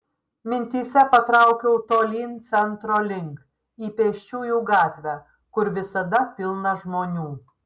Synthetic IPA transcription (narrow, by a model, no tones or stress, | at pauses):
mʲɪnʲt̪ʲiːsʲɛpɐt̪ɾɑˑʊkʲɛʊt̪oːlʲiːnt̪sʲɛnt̪ɾoːlʲɪŋk | iːpʲeːʃʲt͡ʃʲuːjuːɡɑːt̪ʲʋʲæː | kʊɾʋʲɪsɐd̪ɐpʲɪlˠnɐʒmoːnʲuː